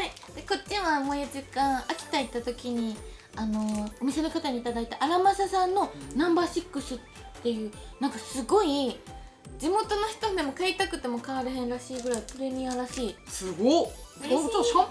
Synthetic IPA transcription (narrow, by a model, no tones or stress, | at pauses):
ai | d̪̥e̞ko̞t͡ɕːĩamojad͡ʑikãɰ̃akʲi̥t̪ait̪ːat̪o̞kʲiɲ̟i | ano̞omʲise̞no̞kat̪aɲ̟it̪ad̪ait̪aʔaɾamasasãnːo̞nãmbaːɕikːɯ̟sɨt̪ːe̞jɯ̟ːnãŋkasɨɡo̞i | d͡ʑimo̞t̪o̞no̞çi̥t̪od̪e̞mo̞kait̪akɯ̟t̪ːe̞mo̞kaβaɾɯ̟ɦẽ̞nɾaɕiːɡɯ̟ɾaipɯ̟ɾe̞mʲĩaɾaɕiːsɨɡooo